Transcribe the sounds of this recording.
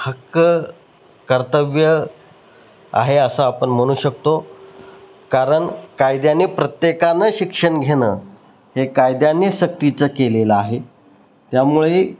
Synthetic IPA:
həkə | kəɾt̪əʋjə | a̰ɦeəsəapəɳm̤əɽ̃uːɕək̚t̪o | kaɾəɳkajd̪janepɾət̪jekanəɕikʂəɳɡʱeɽəː | hekajd̪janːjɕək̚t̪it͡səkeleləaɦe | t̪jamuɭe

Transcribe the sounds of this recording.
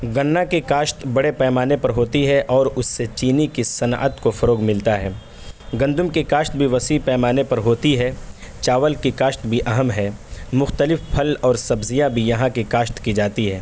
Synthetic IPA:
ɡɐnːakikaːʃt̪bɐɽepɛːmaːnepɐɾɦoːt̪iɦɛʔɔːɾʊsːet͡ʃiːnikisɐna̰ːʔət̪kofɐɾoːɡmɪlt̪aɦɛː | ɡɐ̃nd̪ʊmkikaːʃt̪bʱiʋɐsiːpɛːmaːnepɐɾɦoːt̪iɦɛːt͡ʃaːʋəlkikaːʃt̪bʱiʔɐɦəmɦɛːmʊxt̪əlɪfpʰɐlɔːɾsɐbzijabʱijɐɦãkikaːʃt̪kid͡ʒaːt̪iɦɛː

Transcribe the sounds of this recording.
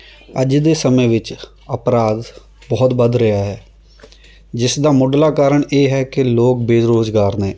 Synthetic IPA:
əd͡ʒd̪eːsəmẽːʋɪt͡ʃ | əpɾaːd̪ | bɔːt̪bəd̪ɾəjaːɦɛː | d͡ʒɪsd̪aːmʊɖlaːkaːɾəɳeːɦɛːkɪloːk̚beːɾoːzɡaːɾneː

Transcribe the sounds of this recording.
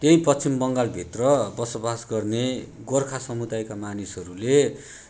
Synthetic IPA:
t̪eipʌt͡sʰimbʌŋɡalbʱit̪rʌbʌsobasɡʌrne | ɡorkʰasʌmud̪ajkamanisɦʌɾule

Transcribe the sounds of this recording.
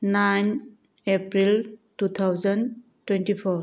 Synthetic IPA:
najn | epɾiltut̪ʰawzan | twɛntipʰɔɾ

